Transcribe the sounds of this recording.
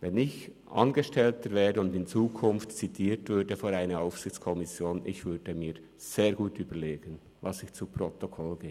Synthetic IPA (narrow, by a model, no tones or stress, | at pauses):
vɛnɪç | ʔɑ̰nɡəʃtɛltəɾvɛːɐdəʊndɪnt͡suːkʰʊnftt͡sitʰiːɾtv̥ʏdəfoɾaɪnəaʊfsɪçt͡skʰɔmɪsjoːnʔɪ̰çvʏd̥əmiːɾ | z̥eːɐɡuːtyːbəleːɡ̥ən | vɑsɪçt͡supɾɔtokʰɔlɡ̥eː